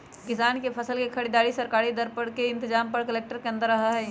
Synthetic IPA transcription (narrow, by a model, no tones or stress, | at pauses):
kɪsaːnkepʰɐsəlkekʰɐɽiːd̪aːɾisɐɾkaːɾid̪ɐɾpəɽkeɪ̃nt̪ɪzaːmpɐɽkɐleːk̚ʈəɾkeɐ̃nd̪əɾːɐɦaɦɛː